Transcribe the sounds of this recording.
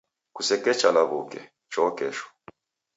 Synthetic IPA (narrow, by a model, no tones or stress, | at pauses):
kusɛkɛt͡ʃalaβukɛ̰ | t͡ʃɔkɛʃwɔ̥